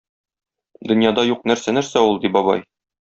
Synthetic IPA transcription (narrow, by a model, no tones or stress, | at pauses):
d̪ɵ̆njɑd̪ɑjuqnæɾsænæɾsæulˠd̪ibɒbɑ̰j